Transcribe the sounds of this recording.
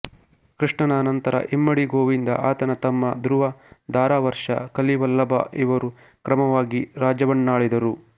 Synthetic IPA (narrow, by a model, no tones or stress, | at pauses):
kɾiʂɳɐnaːnɐnt̪ɐɾɐ̰ʔimːɐɽiɡoːʋind̪ɐʔaːt̪ɐnɐt̪ɐmːɐd̪ɾuʋɐd̪aːɾaːʋɐɾʂɐ̰kɐliʋɐlːɐbɐ̰ʔiʋɐɾu | kɾɐmɐʋaːɡiɾaːd͡ʒɐʋɐɳːaːɭid̪ɐɾu